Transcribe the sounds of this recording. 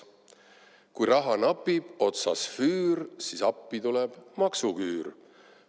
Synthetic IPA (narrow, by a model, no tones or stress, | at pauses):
kujrɑɦɑnɑpːib̥o̞t̪sɑsfyːɾsisɑpːit̪ulɛb̥mɑksukyːr